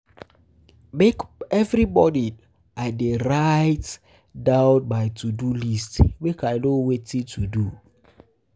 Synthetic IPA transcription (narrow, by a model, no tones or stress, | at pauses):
mekɛvɹibɔdi | ʔaɪdeɹaɪt | daʊt̚baɪtʰudulistwikaɪnowetitʰudu